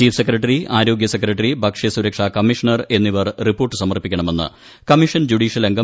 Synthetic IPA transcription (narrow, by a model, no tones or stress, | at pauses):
iːfsekrɐʈːɐriaːɾo̞ːɡjɐsekrɐʈːɐribʱɐkʂɐjɐsuɾɐkʂɐkɐmːiʂɐɳɐre̞nːiʋɐrripo̞ːrʈːɨsɐmɐrpikʲːɐɳɐme̞nːɨ̰ | kɐmiʂɐnd͡ʑuɖiːʂjɐleŋɡɐ